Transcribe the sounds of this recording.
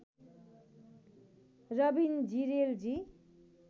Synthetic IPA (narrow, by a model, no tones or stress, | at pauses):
rʌbind͡ziɾeld͡zi